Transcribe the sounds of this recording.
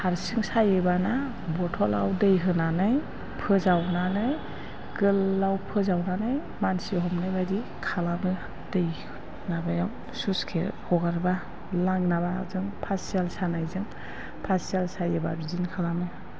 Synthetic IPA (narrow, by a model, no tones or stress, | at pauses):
aɾsɯŋsajɯbana | bɔtʰɔla̰wdejɦɯnanɯj | pʰɯzawnanɯj | ɡɯlːawpʰɯzawnanɯj | mansiɦɔmnɯjbadi | kʰalamɯ | dejhɯ | nabajaw | suskʰḛhɔɡaɾba | laŋnaβazɯŋpʰasialsanajzɯŋ | pʰasialsajɯbaɾizinkʰalamɯj